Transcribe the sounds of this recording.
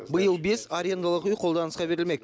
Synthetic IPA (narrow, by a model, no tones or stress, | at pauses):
bəjəlˠbe̞saɾʲijend̪alˠəqʏjqʰo̞lˠd̪ɑnəsqɑbe̞ɾɪlme̞k